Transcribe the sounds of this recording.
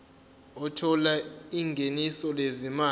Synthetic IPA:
ɔtʰɔlaiŋɡʱenisɔlezimaː

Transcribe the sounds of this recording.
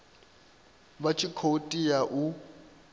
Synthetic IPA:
bat͡ʃʰikʰotʼijaʔu

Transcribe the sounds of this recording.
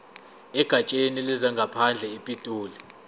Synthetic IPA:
ɛɡ̥ʱat͡ʃʼenilizaŋɡʱapʰand͡ɮʱɛipʼitʼuːli

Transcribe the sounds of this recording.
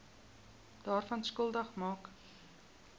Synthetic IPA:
d̥ɑːrfɐnskolˠdɐχmɑːk

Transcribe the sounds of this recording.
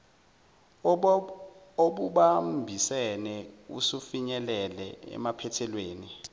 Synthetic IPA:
oɓuɓambʱisɛnɛṵsufiɲɛlɛlɛ̰ɛ̰mapʰɛtʰɛlweːni

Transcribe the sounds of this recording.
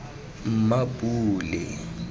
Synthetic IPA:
m̩mapʼuːlɪ

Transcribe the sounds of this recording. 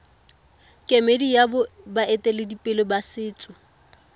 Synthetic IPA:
kʼemedijabʊ | baʔetʼelɪdipʼɪlɔbasɪːt͡sʼʊ

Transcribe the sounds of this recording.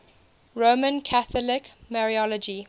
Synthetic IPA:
ɹomə̃nkʰaθɔlɪkmɛɹiɔlɔd͡ʒi

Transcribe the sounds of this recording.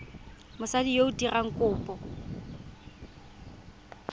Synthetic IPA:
mʊsadijoʊtiraŋ̩kʼʊːpʼɔ

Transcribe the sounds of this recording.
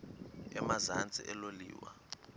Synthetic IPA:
ɛmazant͡sʼḭʔɛlolḭːwa

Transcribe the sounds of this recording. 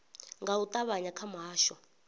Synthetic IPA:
ŋɡaut̪ʼaβaɲakʰamɦaːʃɔ

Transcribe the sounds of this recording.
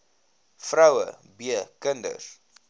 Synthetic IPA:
frɐwə̰biəkəndə̰r

